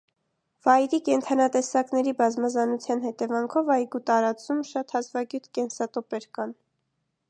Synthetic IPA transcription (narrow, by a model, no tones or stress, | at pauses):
v̥ɑjɾikɛnt̪ʰɑnɑt̪ɛsɑknɛɾibɑzmɑzɑnut͡sʰjɑn̪hɛt̪ɛvɑŋkʰɔvɑjɡut̪ɑɾɑt͡sumʃɑt̪hɑzvɑɡjut̪ʰkɛnsɑt̪ɔpɛɾkɑn